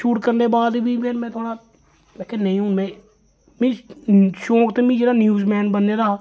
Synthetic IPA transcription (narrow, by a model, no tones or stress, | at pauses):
ʃuːʈkəɾneːbaːd̪bʱiːmɛːnmɛ̃ːt̪ʰoːɽaː | leːkenəɦĩɦũːmɛ̃ː | mĩːʃõːkt̪eːmĩːd͡ʒeːɾaːnjuːzmɛːnbənːeːɾaːa